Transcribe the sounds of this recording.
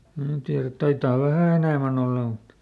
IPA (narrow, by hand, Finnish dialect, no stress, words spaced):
mnæː tiæræt tɑitɑː ʋæhæˑ enæˑmæn olːɑ mut